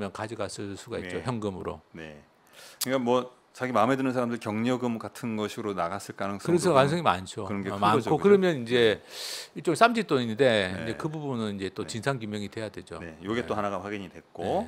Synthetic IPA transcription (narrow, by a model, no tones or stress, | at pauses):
mjʌnkad͡ʑiɡas͈ɯs͈uɡait͡ɕ͈oçjʌŋɡɯmɯɾo̰ne | kɯik͈amwʌ | t͡ɕaɡimamɦe̞dɯnɯnsʰaɾamdɯɭkjʌŋɲʌɡɯmkatʰɯnɡʌɕʰiɯɾonaɡas͈ɯɭk͈anɯŋs͈ɯɾesʰʌkanɯŋsʌŋima̰nt͡ɕʰoɯʌɡemankʰokɯɾʌmjʌnind͡ʑe̞it͡ɕ͈oŋs͈ʰamd͡ʑit͈oininde̞ind͡ʑe̞kɯbubunɯnind͡ʑe̞t͈ot͡ɕinsʰankjumjʌŋidwe̞jadwe̞d͡ʑo̰nejoɡet͈ohanaɡaɸwaɡiɲidwe̞k͈o